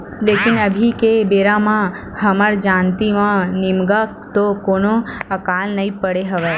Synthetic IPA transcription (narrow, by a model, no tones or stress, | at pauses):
lekɪnəbʱikebeɾamã | həməɾd͡ʒãnt̪imãnɪmɡakt̪okonoəkalnəɦĩpəɽeɦəʋe